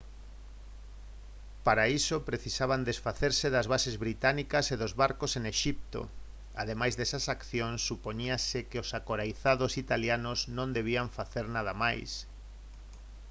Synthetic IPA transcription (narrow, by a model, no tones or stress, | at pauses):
paɾaisopɾeθisaβ̞and̪esfaθeɾseðazβasezβɾit̪anikɐseðozβaɾkoseŋeʃip̚t̪o̰ | aðemajzðesasakθjõnsːupoɲiasɪkeosakoɾajθaðosit̪aljanoznõnd̪eβ̞iaɱfaθeɾnað̞amajs